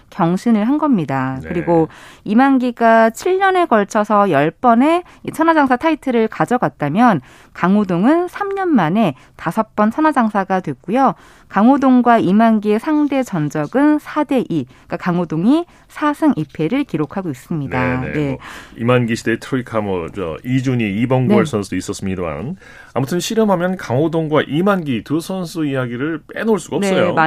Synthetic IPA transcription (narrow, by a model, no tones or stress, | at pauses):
kjʌŋɕʰinɯɭɦanɡʌmɲidakɯɾiɡoimanɡiɡat͡ɕʰiɭɲʌne̞kʌɭt͡ɕʰʌsʰʌjʌɭp͈ʌne̞ | it͡ɕʰʌnwad͡ʑaŋsʰatʰaitʰɯɾɯɭkad͡ʑʌɡat̚t͈amjʌn | kaŋodoŋɯnsʰamɲʌnmane̞ | tasʰʌk̚p͈ʌnt͡ɕʰʌnɦwad͡ʑaŋsʰaɡadwe̞k͈ujo | kaŋodoŋɡwaimanɡie̞sʰaŋde̞t͡ɕʌnd͡ʑʌɡɯnsʰade̞ʔi | k͈akaŋodoŋi | sʰasʰɯŋʔipʰe̞ɾɯɭkiɾokʰaɡois͈ɯmɲindaene̞̰ḭmanɡiɕʰide̞tʰɾoikʰamwʌt͡ɕʌ̰id͡ʑuɲiibʌnɡʌɭsʰʌnsʰuis͈ʌs͈ɯmɲidoa̰n | a̰mutʰɯnɕʰiɾɯmɦamjʌnkaŋodoŋɡwaʔimanɡitusʰʌnsʰuijaɡiɾɯɭp͈enoɭs͈uɡaʌnseʌjoma